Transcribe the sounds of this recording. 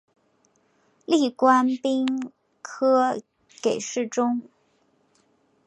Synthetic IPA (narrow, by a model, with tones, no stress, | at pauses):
li˥˩kwa˥npi˥ŋ | kʰɤ˥ | ke˨˩ɪʂɻ̩˥˩ʈ͡ʂʊ˥ŋ